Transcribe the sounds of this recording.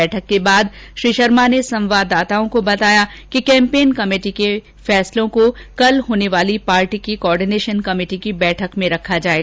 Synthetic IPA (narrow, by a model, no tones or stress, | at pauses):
ɛːʈʰəkːebaːd̪ | ʃɾiːʃəɾmanesɐ̃mʋaːd̪ːaːt̪aːõkobɐt̪aːja | kikɛ̃ːmpeːnkɐmeːʈike | fɛːslõkokɐlɦoːneʋaːlipaːɾʈikikoɔːɾɖineːʃənkɐmeːʈikibɛːʈʰəkmẽɾɐkʰːad͡ʒaːeːɡa